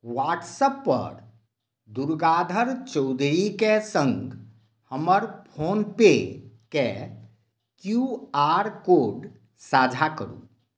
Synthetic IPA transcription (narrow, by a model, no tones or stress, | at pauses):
waʈsəpːə̰ɾ | d̪uɾɡad̪ʱəɾt͡ʃəwd̪ʱɾikesəŋɡ | həməɾpʰonpe | ke | kjuaɾkoɖ | sad͡ʒʱakə̰ɾṵ